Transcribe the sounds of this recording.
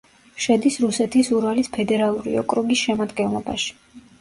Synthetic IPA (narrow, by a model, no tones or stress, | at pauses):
ʃɛd̪isɾusɛt̪ʰisuɾalispʰɛd̪ɛɾalˠuɾḭɔ̰kʼɾɔɡisʃɛmad̪ɡɛnlˠɔba̰ʃi̥